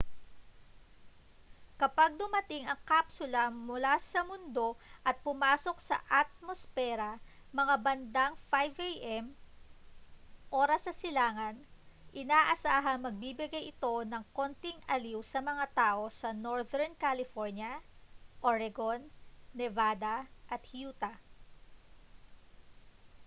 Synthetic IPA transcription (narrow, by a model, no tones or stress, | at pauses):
kɐpaɡ̚d̪ʊmɐt̪ɪŋɐŋkaːpsʊlɐmʊlasɐmʊnd̪o̞ʔɐt̪̚pʊmaːso̞k̚sɐ̰ʔɐt̪̚mosfɛɾɐ | mɐŋabɐnd̪aŋfajvejʔɛm | ʔo̞ːɾɐsɐsɪlaːŋɐnʔɪnaːʔɐsaːɦɐŋmɐɡ̚bibɪɡajɪt̪o̞nɐŋko̞nt̪ɪŋɐliwsɐmɐŋat̪aːʔo̞sɐnoɹðɛɹnkalɪfoɹnjɐʔoɹɛɡonːɛvaːd̪ɐʔɐt̪̚hjuːt̪ɐ